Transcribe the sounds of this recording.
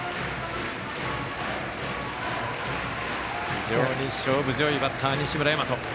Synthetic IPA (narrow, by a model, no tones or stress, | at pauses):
iʑoːɲiɕoːbɯzjoibat̪ʰːaːɲiɕimɯ̟ɾajamat̪o